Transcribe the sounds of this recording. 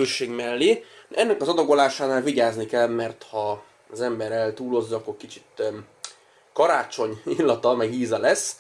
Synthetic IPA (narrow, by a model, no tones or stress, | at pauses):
øːʃeːɡmɛlːiʔɛnːɛkɒzɒd̪ɒɡo̞laːʃaːnaːlviɟaːznikɛlmɛrt̪hɒː | zɛmbɛɾɛlt̪uːlo̞zːɒkːo̞rkit͡ʃit̪ | kɒɾaːt͡ʃo̞ɲilːɒt̪ɒmɛɡɦiːzɒlɛs